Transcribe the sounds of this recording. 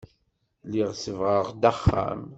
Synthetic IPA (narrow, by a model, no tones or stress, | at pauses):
liʁsəvʁəʁd̪æχːæ̰m